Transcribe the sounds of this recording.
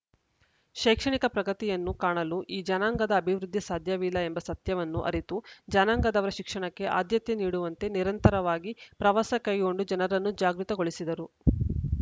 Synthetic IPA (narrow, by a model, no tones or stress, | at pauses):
ʃɛːkʂɐɳikɐpɾɐɡɐt̪ijɐnːukaːɳɐluʔiːd͡ʒɐnaːŋɡɐd̪ɐːbʱiʋɾud̪ʱːjisaːd̪ʱjɐʋilːɐembɐsɐt̪jɐʋɐnːuʔɐ̰ɾit̪ud͡ʒanaːŋɡɐd̪ɐʋɐɾɐʃikʂɐɳɐkːe̞ʔa̰ːd̪jɐt̪jeniːɽuʋɐnt̪e̞niɾɐnt̪ɐɾɐʋaːɡipɾɐʋasɐkɐjɡo̞ɳɖud͡ʒɐnɐɾɐnːud͡ʒaːɡɾut̪ɐɡo̞ɭisid̪ɐɾu